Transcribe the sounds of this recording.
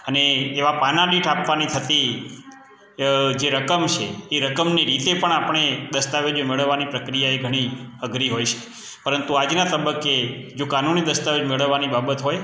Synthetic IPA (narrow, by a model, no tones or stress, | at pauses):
əneːʋapanaɗiʈapʋanit̪ʰət̪i | d͡ʒeɾəkəmt͡ʃʰḛːɾəkəmniɾit̪epəɳapəɳ̃ed̪əst̪aʋed͡ʒmeɭəʋːanipɾəkɾijaeɡʱəɽ̃iəɡɾiɦojt͡ʃʰe̥ | pəɾənt̪uad͡ʒnat̪əbəkːed͡ʒokanunid̪əst̪aʋed͡ʒmeɭəʋːanibabət̪ɦoj